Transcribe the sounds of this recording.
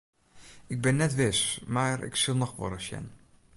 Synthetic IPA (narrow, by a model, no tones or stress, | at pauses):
ɪɡ̚bɛnːɛtʋɪsmaːɹɪ̰ksɪlˠnɔχʋɔ̰ɾəsjɛ̰n